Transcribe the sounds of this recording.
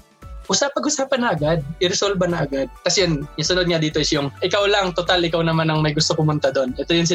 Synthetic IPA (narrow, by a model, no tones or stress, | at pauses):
ʔʊsapɐɡʔʊsaːpɐnːɐʔɐɡad̪̚ʔɪɾɛsolbɐnɐʔɐɡad̪̚kɐsɛjonnɐsʊnod̪̚ŋɐd̪iːt̪oʔɪsjʊŋʔɪkawlɐŋt̪ot̪alɪkawnɐmanɐŋmɐjɡʊst̪okʊmʊnt̪ad̪o̞nʔɛt̪ojʊnsɪ